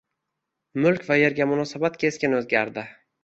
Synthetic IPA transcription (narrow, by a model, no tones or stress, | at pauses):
mʊlˠkʲvaje̞ɾɡʲamʊnɒsabat̪kʲʰe̞skʲɪnɵzɡʲaɾd̪ɪ